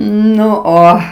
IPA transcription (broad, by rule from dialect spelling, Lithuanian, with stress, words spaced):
ˈnʊ ˈoː